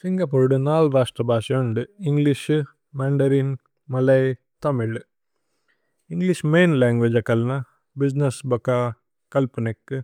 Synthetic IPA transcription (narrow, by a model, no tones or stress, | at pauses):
siŋɡɐpoːɾɖɨnaːlɾaːʂʈɾɐbʱaːʃɐoɳɖɨiŋɡliʃ | maːɳɖɐɾin | mɐlɐj | t̪ɐmiɭ | iŋɡliʃmeːnlaːŋɡʋed͡ʒɐkɐlnɐ | bid͡ʒnesbɐkaː | kɐlpɐnekːɨ